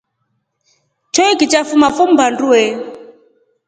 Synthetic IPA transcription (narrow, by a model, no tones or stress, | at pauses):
t͡ʃʰɔikit͡ʃafumafum̩banduɛ